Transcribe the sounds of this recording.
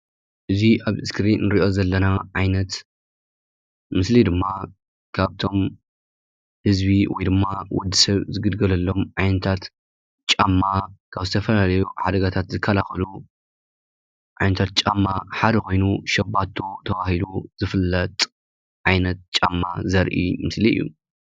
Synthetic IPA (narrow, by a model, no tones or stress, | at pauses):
ʔɨziʔaβɨskɾinɨɾiʔo̞zɐlːɐnaʕajnɐt̪ | mɨslid̪ɨmːa | kʰaβt̪ʰo̞m | hɨzbiwɔ̰jd̪ɨmːawɔd̪ːisɐβzɨɡɨd̪ɡɐlɐlːo̞mʕajnɐt̪ʰat̪ | t͡ʃʼamːakʰaβzɨt̪ʰɐfɐlalɐjuħad̪ɐɡat̪ʰat̪zɨkʰːɐlaxɐlu | ʕa̰jnɐt̪ʰat̪̚t͡ʃʼamːaħad̪ɐko̞jnuʃɐbːat̪ʰːot̪ʰɐβahiluzɨfɨlːɐt̪ʼ | ʕajnɐt̪̚t͡ʃʼamːazɐɾʔḭmɨsliɨ̰jːṵ